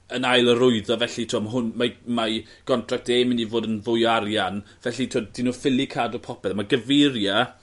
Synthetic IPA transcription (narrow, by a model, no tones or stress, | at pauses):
ənajlˠəɾʊɨðɔvɛɬitʰiɔmaɦʊnmama | ɡ̥ɔntʰrak̚teːmɪnivoːdənvʊjaɾjanvɛɬitʰiɔd̥inuːfɪlˠikʰaːdɔpʰɔpɛlamaɡəverja